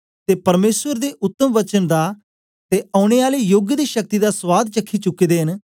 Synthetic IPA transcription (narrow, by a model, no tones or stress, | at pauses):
t̪eːpəɾmeːsʋəɾd̪eːʔʊt̪ːəmʋət͡ʃənd̪aː | t̪eːãːʊɽ̃eːaːleːjoːɡjəd̪eːʃək̚t̪iːd̪aːsʋaːd̪̚t͡ʃəkʰːiːt͡ʃʊkːiːd̪eːɦən